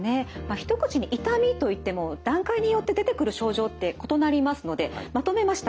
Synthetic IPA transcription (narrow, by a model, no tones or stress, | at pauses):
ne̞maçi̥t̪o̞kɯ̟̥t͡ɕiɲ̟iʔit̪amʲit̪o̞it̪ːe̞mo̞d̪ãŋkaiɲ̟ijo̞t̪ːe̞d̪e̞t̪e̞kɯ̟ɾɯ̟ɕo̞ːʑo̞ːt̪ːe̞ko̞t̪o̞naɾʲimasɨno̞d̪e̞mat̪o̞me̞maɕi̥t̪a